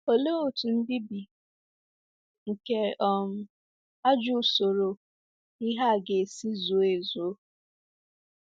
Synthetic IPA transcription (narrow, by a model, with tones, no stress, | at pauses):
o˨le˦o˨tu˨n̩˦di˦bi˨ | ŋ̩˨ke˨ʔɔ˨m̩˦ | a˦d͡ʒu˦˨so˨ɾo˨ | i˦ɦa˦˨ɡe˨si˦zu˨e˨zo˦